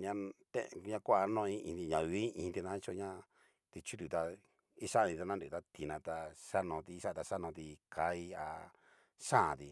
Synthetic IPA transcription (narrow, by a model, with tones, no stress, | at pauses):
ɲã˧t̪ḛ̃˦ʔɲã˧kʷa˦a˧˦nõ˦˧ĩ˦ĩ˧t̪i˧ɲã˧βi˦ʔĩ˧t̪i˧nã˦˧t͡ʃo˧ɲã˦ | t̪i˧t͡ʃu˦t̪u˧t̪a˧ | i˦ʃa˦˧nĩ˧t̪a˧nã˦ndu˨t̪a˦t̪i˧nã˧t̪a˧ʂa˦nõ˧t̪i˧ʃa˦˧t̪a˧ʂa˦nõ˧t̪i˧ka˧˦i˦a̰˧ | ʂã˦˨t̪i˧